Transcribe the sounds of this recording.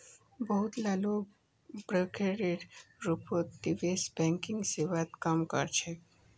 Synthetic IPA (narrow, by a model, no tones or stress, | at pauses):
bəɦut̪lalo | bɾekeɾiʈɾupot̪d̪iʋesbɛ̃ŋkiŋɡseʋat̪kamkə̰ɾt͡ɕʰe